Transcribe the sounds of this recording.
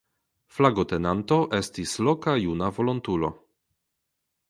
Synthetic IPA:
flaɡote̞nanto̞ʔe̞stislokajunavo̞lontulo̞̰

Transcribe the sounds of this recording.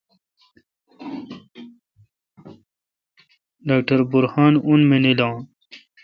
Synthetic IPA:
ɖaːk̚ʈɐɾbuɾhaːnunmenilɑ̃ːn

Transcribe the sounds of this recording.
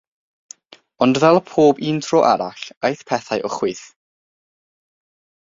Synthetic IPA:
ɔndvɛlˠpʰoːbiːntʰrɔʔa̰ɾaɬejθpʰɛθajʔɔχwɨθ

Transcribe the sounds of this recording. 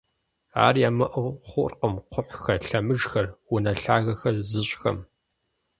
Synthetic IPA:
a̰ːrjaːmɨʔɨʁχʷʊrqəmqʷʰʊħʷxɐɬɐmɨʒxɐrwʊnɐɬaːɣɐxɐzɨɕʼxɐ̰m

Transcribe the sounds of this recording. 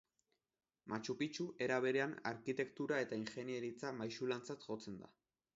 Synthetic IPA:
mʔat͡ʃupit͡ʃuʔe̞ɾaβ̞e̞ɾe̞ana̰ɾkit̪e̞kt̪uɾae̞t̪aiŋxe̞nie̞ɾit͡samajʃulant͡sat̪ʝo̞t͡se̞nd̪a̰

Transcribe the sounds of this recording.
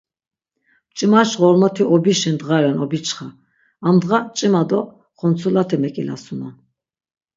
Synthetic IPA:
t͡ʃʼimaʃʁɔɾmɔt̪ʰiɔbiʃɛnd̪ʁaɾɛnɔbit͡ʃʰʼχa | amd̪ʁat͡ʃʼimad̪ɔ | χɔnt͡sʰulat̪ʰɛmɛkʼila̰suna

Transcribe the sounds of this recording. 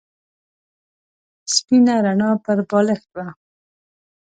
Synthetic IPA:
spinaɾaɳɑpəɾbɑləxwa

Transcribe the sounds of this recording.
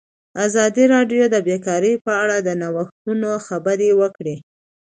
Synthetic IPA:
azɑd̪iɾɑɖjod̪əbekɑɾəjpəaɽad̪ənawaxunoxabəɾewəkɽe

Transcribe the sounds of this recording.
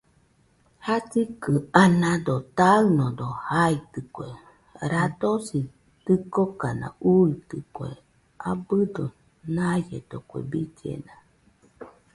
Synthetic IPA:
hasikɨanãd̪ot̪aɯnod̪ohait̪ɨkʷe | ɾad̪osi | t̪ɨkokana̰uit̪ɨkʷḛ | ʔabɨd̪o | najḛd̪okʷḛbid͡ʒḛna

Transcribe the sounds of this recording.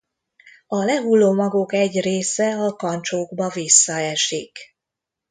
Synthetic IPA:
ɒlɛɦulːoːmɒɡokɛɟreːsɛɒkɒnt͡ʃoːɡbɒvisːɒɛʃik

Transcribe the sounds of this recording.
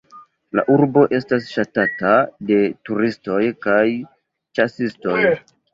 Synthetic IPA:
la̰ʔuɾbo̞ʔe̞stasʃatatade̞tuɾisto̞jkaj | t͡ʃasisto̞j

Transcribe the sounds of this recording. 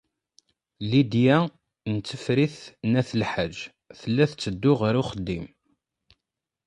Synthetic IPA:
lid̪jæ | nt͡sːəfɾiθnæθəlħad͡ʒ | θəlːæθt͡sːəd̪ːʊʁəɾʊχəd̪ːim

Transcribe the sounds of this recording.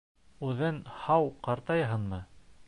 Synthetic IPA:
ʉðɘnhɑwqɑɾt̪ɑjɦɤnmɤ

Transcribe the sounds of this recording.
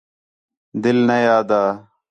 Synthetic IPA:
d̪ɪlnɐjaːd̪aː

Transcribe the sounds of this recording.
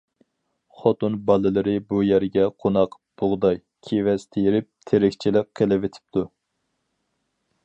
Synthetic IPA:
χot̪unbɑlˠɨlˠɨɾɨbujæɾɡʲɛqʰonɑq | b̥oʁd̪ɑj | kʲʰevɛst̪ʰejiɾɪp̚t̪ʰeɾɪkʲt͡ʃʰilɪk̚ʰːelɪvet̪ʰɪ̥p̚t̪ʰu

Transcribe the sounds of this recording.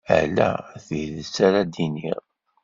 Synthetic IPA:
ə̰læ̰θəðəsaɾad̪iniʁ

